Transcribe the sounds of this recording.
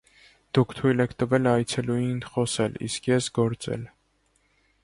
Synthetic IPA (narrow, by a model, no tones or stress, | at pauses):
d̪̥ukʰt̪ʰujlɛkʰt̪əvɛlɑjt͡sʰɛlujinχɔsɛlḭskjɛsɡɔɾt͡sɛ̰l